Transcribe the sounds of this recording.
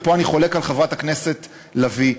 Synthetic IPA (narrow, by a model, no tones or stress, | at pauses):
poaniχo̞le̞kalχavʁatakne̞se̞t | lavi